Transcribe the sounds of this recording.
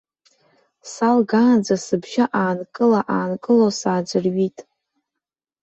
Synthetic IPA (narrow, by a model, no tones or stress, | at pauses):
salɡaːnd͡zasɨbʒaʔaːnkʼɨlaʔaːnkʼɨlosaːd͡ʒʷɨrɥitʼ